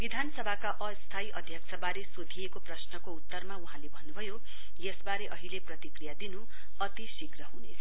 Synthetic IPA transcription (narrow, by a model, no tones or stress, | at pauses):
bid̪ʱanʌsʌbʱakaʔʌst̪ʰaiʔʌd̪ʱjʌksʰʌbaɾesod̪ʱijekoprʌsnʌkout̪ːʌrmauɦãlebʱʌnːubʱʌjo | jesbaɾeʔʌɦileprʌt̪ikrijad̪inu | ʌt̪isikrʌɦunet͡sʰʌ